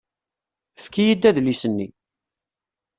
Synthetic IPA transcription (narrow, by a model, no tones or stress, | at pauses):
fkijid̪ːæðlisənːi